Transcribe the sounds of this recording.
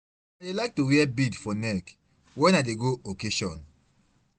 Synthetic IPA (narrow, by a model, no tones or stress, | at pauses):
adelaɪk̚tuwiɛbidfɔnɛk | wɛ̃naɪdeɡookeʃɔ̰̃n